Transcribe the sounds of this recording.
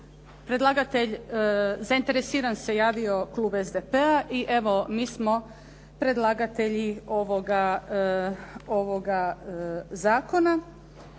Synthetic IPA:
pɾe̞d̪lˠaɡat̪e̞ʎ | zaint̪e̞ɾesiːɾanse̞jaːʋio̞klˠuːbe̞zd̪epeaʔiʔe̞ʋo̞miːsmo̞ | pɾe̞d̪lˠaɡat̪e̞ʎio̞ʋoɡa | oʋoɡa | zaːko̞na

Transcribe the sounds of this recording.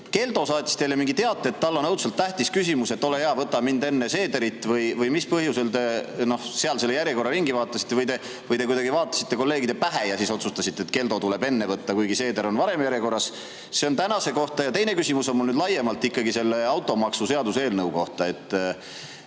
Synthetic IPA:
ke̞ld̪osɑːt̪ʲːˑi̥st̪ejlemiŋɡit̪e̞ɑt̪ːˑeet̪ːɑlːo̞nɤwt̪sɑlt̪ːæht̪iskys̬imuse̞t̪ːo̞le̞jeɑvɤt̪ːɑmind̪e̞nːese̞ːd̪eɾit̪ːˑvɤjvɤjmispɤɦjuse̞lt̪e̞no̞hseɑlseːejæɾʲjeko̞rːɑɾiŋɡivɑːt̪ːˑɑsit̪ːevɤjd̪e̞ | vɤjd̪e̞kujd̪ɑɡivɑːt̪ˑːɑ̥sit̪ːe̞ko̞lːe̞ːɡid̪̥epæɦejɑsiso̞t̪sust̪ɑsit̪ːˑeːt̪̚ke̞ld̪o̞t̪ule̞be̞nːe̞vɤt̪ːɑkujɡise̞ːd̪eɾo̞nvɑɾe̞mjæɾjeko̞rːɑs | se̞o̞nt̪ænɑse̞ko̞ht̪ɑjɑt̪e̞jne̞kysimuso̞nmulnyːd̪lɑje̞mɑlt̪ːikːɑɡise̞lːe̞ɑwt̪ːˑo̞mɑksuse̞ɑd̪use̞ːlnɤwko̞ht̪ɑe̞t̪ːˑ

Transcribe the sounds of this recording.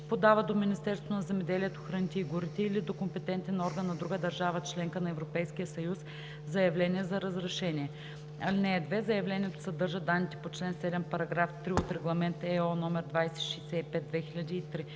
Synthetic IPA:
pod̪avəd̪ominʲist̪ɛɾst̪vonɐzɛmɛd̪ɛliɛt̪oxɾɐnit̪ɛiɡʊɾit̪ɛilid̪okompɛt̪ɛnt̪ɛnɔɾɡənːɐd̪ɾuɡəd̪ɐɾʒavət͡ʃlɛŋkənɐɛvɾopɛjskijəsɐjus | zɐjɐvlʲɛnʲiɛzɐɾəzɾɛʃɛniɛ | ɐlinɛːd̪vɛzɐjɐvlʲɛnʲiɛt̪o̥sɐd̪ɤɾʒəd̪anːit̪ɛ̥pot͡ʃlɛnsɛd̪ɛmpɐɾɐɡɾaft̪ɾiot̪ɾɛɡlˠɐmɛnt̪ɛɔnɔmɛɾd̪vajsɛ̥ʃijsɛipɛd̪̚d̪vɛxilʲɐd̪ʲiːt̪ɾi

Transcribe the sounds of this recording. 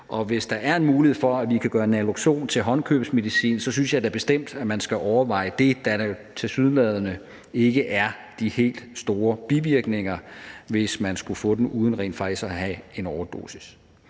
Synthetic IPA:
ʔɒ̽ʋe̝sd̥ɑ̈ʔæɐe̝nmuːlihe̝ð̞̰ˠfɒ̽æʋikʰæɡ̥ɶːɐenæloɡ̥ɕo̝̰ːnt͡sʰe̝lɦɒ̽nkʰøb̥sme̝ðisḭːnsɒ̽synsjɑ̈ɪd̥æ̈ɐb̥e̝sd̥em̰d̥æmænsɡ̥æʔɒʊɐʋɑ̈ɪ̰əd̥e̝d̥æt͡sʰe̝syðˠn̩lɛːð̞ˠɐnə | e̝ɡ̥əʔæɐ | d̥ihe̝̰ːld̥sd̥o̝ːɐb̥iʋiɐɡ̥ne̝ŋɐʋe̝smænsɡ̥ufɔ̰̽ːd̥enʔuːð̞ˠn̩ʁɛ̰ːnd̥fɑ̈ɡ̥isæɦæe̝nɒʊɐd̥o̝̰ːsi̥s

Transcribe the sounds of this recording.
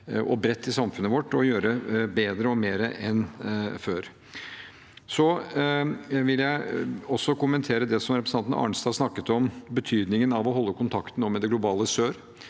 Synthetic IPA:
ʔɔbɾɛt̪ːɪsɑmfʉnːəʋɔʈːɔjøːɾəbeːd̪ɾəɔmeːɾəʔɛnføːɾ | sɔ | ʋɪljæɪɔsːɔkʊmənt̪ʰeːɾəd̪ɛsɔmɾɛpɾəsɑnn̩ɑ̰ːɳsd̪ɑːsnɑkːət̪ɔmbət̪ʰyːd̪nɪŋənɑʋɔɦɔlːəkʰʊnt̪ʰɑkt̪ənoːmɛd̪ɛɡlʊbɑːləsøːɾ

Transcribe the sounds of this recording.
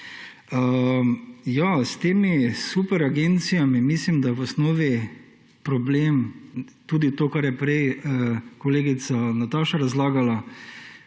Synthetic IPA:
ə | jast̪eːmisupɛɾaɡent̪sijamimislimd̪aʋɔsnɔːʋi | pɾɔbleːmt̪uːd̪it̪oːkaɾjɛpɾɛjəkɔleːɡit̪sanat̪aːʃaɾazlaːɡala

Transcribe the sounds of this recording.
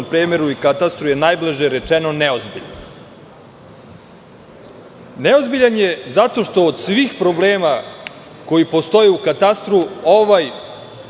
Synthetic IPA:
pɾeːmeɾuikat̪ast̪ɾuje̞najblˠaʒeɾet͡ʂeno̞neozbḭʎa̰n | neo̞zbiʎanje̞zat̪o̞ʃt̪o̞ːd̪sʋiːxpɾo̞blˠeːma | ko̞jipo̞st̪o̞jeukat̪ast̪ɾuoʋaj

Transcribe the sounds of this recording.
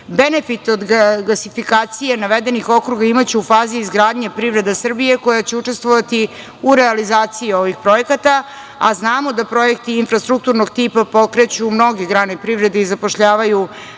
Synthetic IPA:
be̞ne̞fit̪o̞d̪ɡɡlasifikaːt̪sijenaʋed̪e̞nixo̞kɾuɡaimat͡ɕeufaːziːzɡɾaːd̪ɲepɾiʋɾe̞d̪asr̩bije̞ko̞jat͡ɕe̞ut͡ʂe̞st̪ʋoʋat̪i | uɾealizaːt̪sijio̞ʋixpɾo̞jekat̪a | a̰znaːmod̪apɾo̞je̞k̚t̪iːnfɾast̪ɾukt̪uɾnoɡt̪ipapo̞kɾe̞t͡ɕumno̞ɡeɡɾaːnepɾivɾe̞d̪eizapo̞ʃʎaːʋaju

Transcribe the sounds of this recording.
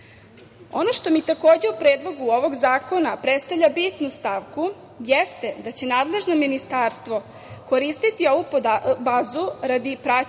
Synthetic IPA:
o̞̰noʃt̪o̞mit̪ako̞ːd͡ʑe̞upɾeːd̪lˠo̞ɡuo̞ʋo̞ɡzaːko̞napɾet̪st̪avʎʲabit̪nust̪aʋku | jest̪e̞d̪at͡ɕe̞naːd̪le̞ʒno̞minist̪aːɾst̪ʋo̞ | ko̞ɾiːst̪it̪io̞ʋupbaːzuɾad̪ipɾa

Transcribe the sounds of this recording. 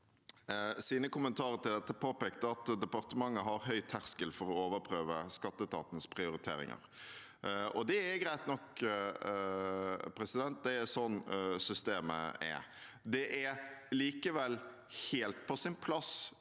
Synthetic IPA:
siːnəkʊmənt̪ʰɑːɾət̪ɪld̪ɛt̪ːəpʰoːpɛːkt̪əɑt̪d̪ɛpɑɾt̪əmɑŋːəɦɑɾɦœʏt̪ʰæʁskəlfɔɾɔoːʋəɾpʰɾøːʋəskɑt̪ːət̪ʰɑ̰ːt̪n̩spʰɾɪʊɾɪt̪ʰḛːɾɪ̰ŋə̰ɾ | ɔd̪ɛɛɡɾæɪt̪nɔk | pʰɾɛsɪd̪ɛnt̪̚d̪ɛɛsɔnːsʏst̪eːmə̰ɛ̰ | d̪ɛʔɛliːkəʋɛl | heːlt̪̚pʰɔsɪnpʰlɑs

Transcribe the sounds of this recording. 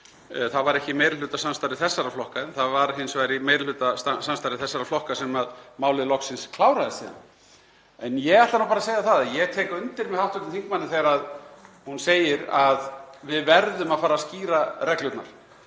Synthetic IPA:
θaðvaɾɛhcɪmeːjɾl̥ːʏːt̪asanmst̪aɾɪθɛsːaɾaflɔhkaɛnθavaɾɦɪnsvaɾimejɾlʏːt̪ast̪asanst̪aɾɪθɛsːaɾawflɔhkasɛmaðmaːwlɪðlɔksɪnskʰlaːwɾaðɪst̪iːða̰n | ɛnjɛɣaht̪anawpaɾaseːjðaθaðajɛt̪ʰɛːkaʏnt̪ɪɾmɛðθawt̪vɛt̪ɪθiŋkmanːɪθɛɣaɾaðhunseːjɪɾaðvɪðvɛɾðʏmaðfaːɾasciːɾarɛklʏt̪na̰ɾ̥

